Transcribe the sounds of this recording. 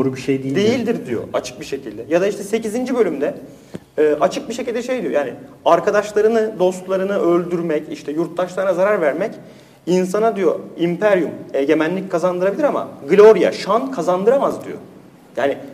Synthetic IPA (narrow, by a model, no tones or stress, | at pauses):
d̪oːɾubiʃejd̪ejd̪ejilʲd̪iɾd̪ijo̰at͡ʃʰɯ̥k̚biʃe̞cʰilʲd̪ɛjad̪aiʃt̪ʰɛse̞cizind͡ʒibø̞lʲymd̪ɛː | ʔat͡ʃʰɯk̚biʃecilʲd̪ɛʃe̞jd̪ijojaːnɪaɾkʰad̪aʃlˠaɾɯnɯd̪o̞st̪lˠaɾɯnɯʔø̞lʲd̪yɾmɛciʃt̪ʰɛjuɾt̪̚ʰlˠaʃlˠaɾɯnazaɾaɾvæɾmɛc | ins̬anad̪ijo̰impʰæɾjumɛɟe̞mænlːʲic̚kʰazand̪ɯɾabilʲiɾama̰ɡlʲo̞ɾja̰ʃankʰazand̪ɯɾamazd̪ḭjo̰ | jaːnɪ